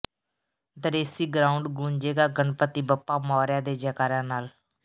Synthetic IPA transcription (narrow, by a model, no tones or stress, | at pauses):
d̪əɾeːsiːɡɾaːʊɳɖɡuːɲd͡ʒeːɡaːɡəɳpət̪iːbəpːaːmɔːɾjãːd̪eːd͡ʒəkaːɾãːnaːl